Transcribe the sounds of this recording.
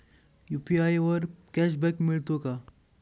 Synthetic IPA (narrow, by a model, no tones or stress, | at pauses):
jupiajʋəɾkɛʃbɛkmiɭt̪oka